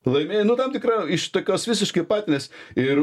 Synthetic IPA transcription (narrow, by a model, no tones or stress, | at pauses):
lˠɐɪmʲeːjnʊt̪ɐmt̪ʲɪkɾɐɪʃt̪oːkʲoːsʋʲɪs̬ʲɪʃkɐɪpɑːt̪ʲɪnʲesɪr